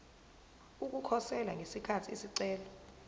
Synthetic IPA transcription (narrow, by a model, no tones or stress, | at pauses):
uk̬ukʰɔsɛlaŋʱesikʰatʰiisiǀɛːlɔ